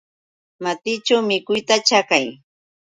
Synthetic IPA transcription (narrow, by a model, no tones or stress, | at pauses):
mat̪ɪt͡ʃawmɪkʊjt̪at͡ʃakaj